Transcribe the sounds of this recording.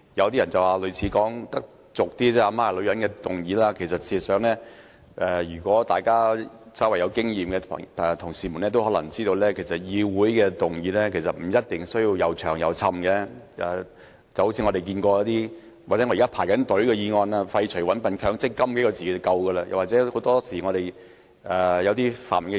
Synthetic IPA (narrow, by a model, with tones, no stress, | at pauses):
jɐ˧wt̪̬iː˥jɐ˨˩nt͡sɐ˨˩waː˨˩lɵ˨˧ɥt͡sʰiː˨˧kɔː˨˥ŋt̪ɐ˥k̚ | t͡sʊ˨k̚t̪iː˥t͡sɛː˥aː˧˩maː˨˩˨lɵ˨˧ɥjɐ˨˥nkɛː˧t̪ʊ˨ŋjiː˨˥laː˥kʰe˨˩jsɐ˨t̚sʰiː˧sœː˨˧˥ŋlɛː˥ | ʔɛ˨˧jyː˨˩kʷɔː˨˥t̪aː˨jkaː˥ | sɐ˨˥wɐ˨jɐ˨˧wkɪ˥ŋjiː˨mkɛ̰˧˨ɛ˨t̪ʰʊ˨˩ŋsiː˨˩mu˨˩nɛː˥t̪̬o˥whɔː˨˥lɐ˨˩ŋt͡siː˥t̪o˧wlɛː˥kʰe˨˩jsɐ˨t̚jiː˧wuː˨˥jkɛː˧t̪ʊ˨˩ŋjiː˨˥lɛː˥kʰe˨˩jsɐ˨t̚m̩˨˩jɐ˥t̚t̪ɪ˨ŋsɵ˥ɥji˧wjɐ˨˧wt͡ʃʰœ̰ː˨˩ŋjɐ˨˧wt͡sʰɐ˧mɡɛ˨˧˦ɛ˨ | t͡sɐ˨˩ho˦˥wt͡sʰiː˧ŋɔː˨˧t̪e˨jk̬iː˧nkɔː˧jɐ˧˥t̪iː˥ | waː˨˩t͡sɛ˨˥ŋː˧˨ka˥pʰaː˨˩jkɐ˨˥nt̪ɵ˨˥ɥkɛ˧jiː˧ŋɔː˧naː˧fɐ˧jt͡ʃʰɵ˨˩wɐ˨˥npɐ˨˧nkʰœː˨˥ŋt͡sɪ˥kːɐ˥mke˨˥kɔ˧t͡siː˨ke˨˦˥kɐ˧wɡəː˧laː˧jɐ̰˨waː˨t͡sɛː˨˥ho˨˥wt̪ɔː˥siː˨˩ŋɔ˨˧ɾe˨˩j | ʔɛː˨˩jɐ˨˧wt̪iː˥fa̰ː˨˩nm˨˩ŋɛ˧